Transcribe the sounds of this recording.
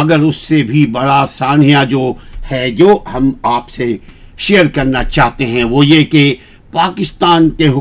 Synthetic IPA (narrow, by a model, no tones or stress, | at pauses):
ɐɡəɾʊsːebʱibɐɽasaːnijad͡ʒoːhɛd͡ʒoːhɐmaːpse | ʃeːjəɾkɐɾnat͡ʃaːɦt̪eɦɛ̃ʋoːjeke | paːkɪst̪aːnkeɦʊ